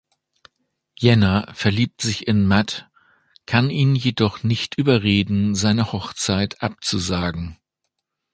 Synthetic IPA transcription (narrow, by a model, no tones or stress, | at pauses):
jɛnafɛɐliːp̚tz̥ɪçɪnmat | kʰaniːnjedɔχnɪçtʔyːbɐʁeːdn̩zaɪnəhɔχt͡saɪtʰʔap̚t͡suzaːɡŋ̩